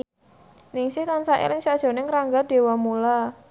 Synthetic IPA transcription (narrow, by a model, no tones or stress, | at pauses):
nɪŋsɪht̪ansaʔḛlɪŋsad̥ʒ̥ɔ̤nɪŋɾaŋɡaɖ̥e̤wamula